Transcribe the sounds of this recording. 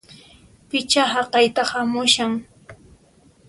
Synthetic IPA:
pɪt͡ʃaɦaqɑjt̪ahamʊʃaŋ

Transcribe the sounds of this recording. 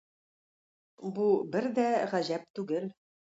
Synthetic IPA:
bubɘɾd̪æʁæʑæp̚t̪ʉɡɘl

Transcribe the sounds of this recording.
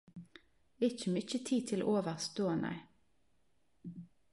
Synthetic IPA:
ɪt͡ʃəmʏt͡ʃət̪ʰiːt̪ʰɪlo̰ʔoːʋəʁst̪oːnʔæ̰ɪ

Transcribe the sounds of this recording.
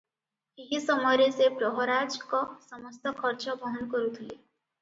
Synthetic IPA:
eɦisɔmɔɾesepɾɔɦɔɾad͡ʒkɔsɔmʌst̪ɔkʰɔɾt͡ʃɔbʱɔɦɔnkɔɾut̪ʰile

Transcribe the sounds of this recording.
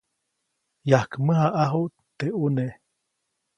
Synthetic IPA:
jahkməɦaʔaɦuʔ | t̪eʔune

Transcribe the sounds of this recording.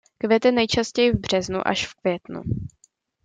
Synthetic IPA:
kvjɛt̪ɛnɛjt͡ʃascɛjɪvbr̝̥ɛznṵʔa̰ʃfkvjɛt̪nṵ

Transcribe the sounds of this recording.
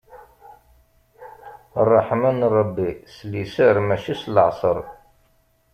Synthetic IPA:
rˤːɑħmænɾˤɑbːislisəɾmæʃislʕsˤəɾˤ

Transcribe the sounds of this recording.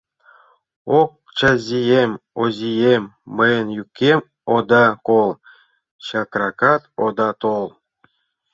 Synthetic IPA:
ok̚t͡ɕazʲijemʲozʲijemʲːɤjənjukʲːem | od̪ɑkolˠ | ɕɑkrɑkɑt̪od̪ɑt̪olˠ

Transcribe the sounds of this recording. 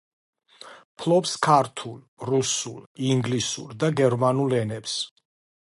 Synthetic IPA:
pʰlɔpskʰaɾt̪ʰul | ɾusuliŋɡlisṵɾd̪aɡɛɾmanulɛnɛps

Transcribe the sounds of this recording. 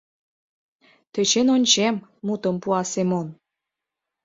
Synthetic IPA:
t̪et͡ɕenonʲt͡ɕemːut̪əmpuɑsemon

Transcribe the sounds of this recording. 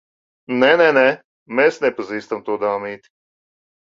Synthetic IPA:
nɛnɛnɛ | meːsnɛpaziːst̪amt̪uɔd̪aːmiːt̪i̥

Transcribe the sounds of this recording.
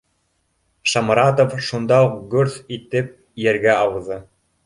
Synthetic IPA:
ʃɑmɾɑt̪ofʃund̪ɑuqɡɵɾθit̪ɘp̚ | jæɾɡæɑwɤ̆ðɤ

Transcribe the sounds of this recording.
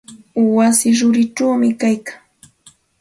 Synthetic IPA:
wasɪɾʊɾɪʈ͡ʂawmɪkajkaŋ

